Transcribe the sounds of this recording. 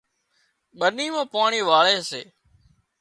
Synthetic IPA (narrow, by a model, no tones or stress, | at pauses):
ɓəniːmãːpaːɳiːʋaːɭeːseː